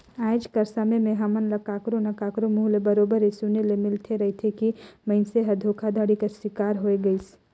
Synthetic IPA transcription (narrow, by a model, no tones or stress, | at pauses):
aːɪd͡ʒkɐɾsamemẽɦamənlɐkaːkɾõnɐkaːkɾomuːɦlebɐɾoːbəɾesunelemɪlt̪ʰeɾɐɦet̪ʰekimɐɪnseɦɐd̪ʱoːkʰad̪ʱaːɽikaswɪkaːɾɦoːeɡɐis